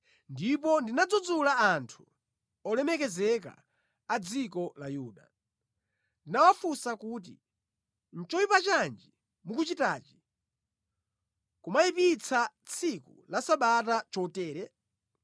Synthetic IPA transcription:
ndip̬ɔndinad͡zud͡zulaantʰu̥ | ɔlɛmɛkɛzɛka̰ː | d͡zikɔlajuːɗa̰ | ndinawafusakuːt̬ḭ | n̩t͡ʃɔjipat͡ʃand͡ʒi | mukut͡ʃitaːt͡ʃi̥ | kumajipit͡sʰat͡sʰikulasaɓatat͡ʃɔtɛːɾɛ

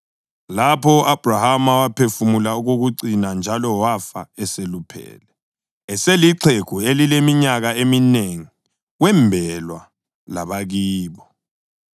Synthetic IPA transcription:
lapʰɔʔab̥rahamawapʰefumulauɣoɣuǀinand͡ʒʱalɔwafa̰ɛselupʰɛ̰ːlɛ | ɛseliǀʰekʰuelilemiɲaɣaemineŋi | wɛmbʱɛlwa | laβaɣiːβɔ

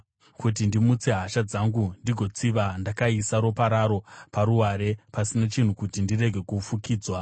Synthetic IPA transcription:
kut̬indimut͡se̞ɦaʃad͡zaŋɡundiɡʱo̞t͡siʋandakaisaɾopaɾaɾo̞paɾuɦaɾe̞pasinat͡ʃin̤ukutindire̞ɡʱe̞kufukiːd͡zwa

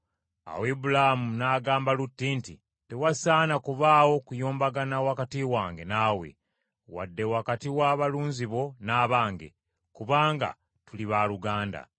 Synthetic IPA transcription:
a̰wibulahamunaːɡaːmbalutːinti | tewasaːnakuβaːwo̞kujoːmbaɡanawakatiwaːŋɡe̞naːwḛ | wa̰dːe̞wakatiwaːβaluːnziβo̞naːβaːŋɡe̞̰ | kuβaːŋɡa̰ | tuliβaluɡaːnda̰

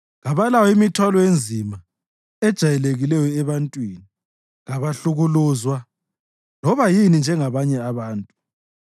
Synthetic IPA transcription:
ɣaβalawɔimitʰwalɔjend͡zʱima | ɛd̥ʒ̥ʱajɛleɣilɛjɔɛβantʼwini | ɣaβaɬuɣuluːzwa | lɔβajinind͡ʒʱɛŋaβaɲɛaβaːntʼu

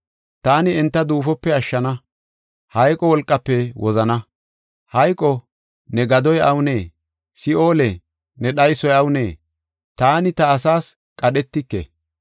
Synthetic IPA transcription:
t̪aːnɪɛnt̪ːɐd̪uːfɔpːɛɐʃːɐnɐ | hɐjkʼɔwɔlkʼːɐpːɛwʔɔzɐnɐ | hɐjkʼɔ | nɛɡɐd̪ɔjʔɐwneː | sɪo̞ːlɛ | nɛɗɐjsɔjɐwʊneː | t̪aːnɪt̪ɐːsaːs | kʼɐɗɛt̪ːɪkːḛ

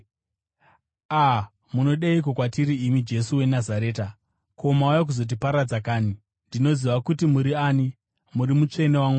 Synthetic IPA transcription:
a | muno̞ɗeik̬okwatiɾiːmid͡ʒe̞suwe̞nazaɾe̞ːta | kʰo̞maujak̬uzo̞t̬ipaɾad͡zakaːni | ndino̞ziʋakutimuɾiaːni | muɾimut͡ʂe̞ne̞waŋwa

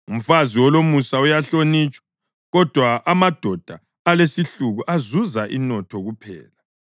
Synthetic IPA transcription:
um̩faziwɔlomusaujaɬonit͡ʃʼwḁ | ɣɔd̥ʱwaʔːmad̥ʱɔd̥ʱaː | lesiɬuɣuʔazuzaʔinɔtʰɔɣupʰɛ̰ːla

